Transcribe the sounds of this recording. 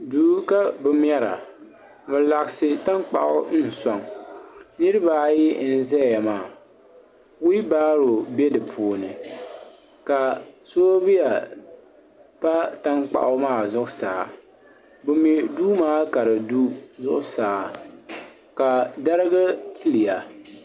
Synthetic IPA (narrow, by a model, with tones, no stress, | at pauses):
duː˨˦ka˦bɨ˦m˦ɛ˦ɾa̰˨ | bɛ˨la˨ɡsɪ˦ta˦ŋk͡pa̰˨ʔʊ̰˦n̩˦˨sa˨ŋ | nɨ˦ɾɨ˦ba˨˦ji˦n̩˦zɛ˦˨ja˨maː˦˨ | ʊ˦i˦baː˦ɾo˨be˦dɨ˨pʰoː˨nɨ˨ | ka˨soː˦bi˦ja˨ | pa˦ta˦ŋk͡pa̰˨ʔʊ˦maː˦˨zʊ˦ʔʊ˦saː˨ | bʊ˦mi˨duː˦maː˦ka˨ɾɨ˨du˦zʊ˦ʔʊ˦saː˨ | ka˨da˦ɾɨ˦ɡa˦tɨ˦lɪ˨ja˨